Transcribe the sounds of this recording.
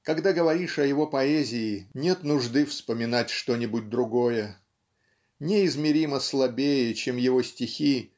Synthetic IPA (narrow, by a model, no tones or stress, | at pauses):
kɐɡd̪aɡəvɐɾʲiʂɐjɪvo̞pɐɛzʲɪːnʲe̞t̪nʊʐd̪ɨfspəmʲɪnatʲʂt̪o̞nʲɪbʊd̚ʲd̪ɾʊɡo̞jə | nʲɪɪzmʲɪɾʲiməslˠɐbʲejət͡ɕe̞mjɪvo̞sʲtʲɪxʲi